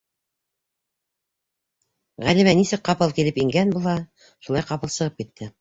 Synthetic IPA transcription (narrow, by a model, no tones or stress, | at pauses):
ʁælimænisɘk̚qɑpɤlˠkilɘpiŋɡænbulˠɑ | ʃulɑjqɑpɤ̆lˠsɤ̆ʁɤp̚kit̪ːɘ